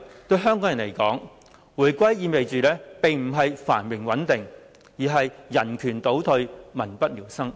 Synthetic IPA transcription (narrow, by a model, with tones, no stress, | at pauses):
t̪ɵ˧ɥɦœː˥ŋkɔː˨˥ŋjɐ˨˩nle˨˩jkɔː˨˥ŋ | wuː˨˩jkʷɐ˥jːiː˧nme˨jt͡ʃyː˨˧lɛː˥pe˨ŋm̩˨˩ɦɐ˨jfa̰ː˨˩nwɪ˨˩ŋwɐ˨˥nt̪ɪ˨ŋ | jiː˨˩ɦɐ˨jːɐ˨˩nkʰyː˨˩nt̪o˨˥wt̪ʰɵ˧ɥmɐ˨˩npɐ˥t̚liː˨˩wsɐ˥ŋ